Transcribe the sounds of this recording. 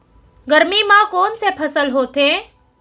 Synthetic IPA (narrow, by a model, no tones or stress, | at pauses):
ɡəɾmimãkoːnsepʰɐsəlɦoːt̪ẽː